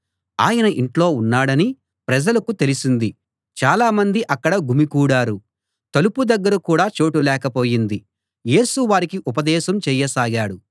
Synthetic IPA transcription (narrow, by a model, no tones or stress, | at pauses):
aːjɐnɐʔiɳʈlo̞ːunːaːɽɐni | pɾɐd͡ʒɐlɐkut̪e̞lisind̪i | t͡ʃaːlaːmɐnd̪iʔɐkːɐɽɐɡʱumikuːɽaːɾu | t̪ɐlupud̪ɐɡːɐɾɐkuːɽaːt͡ʃo̞ːʈulɛːkɐpo̞ːjind̪i | je̞ːsuʋaːɾikiʔupɐd̪ɛːʃɐmt͡ʃɛːjːɐsaːɡaːɽu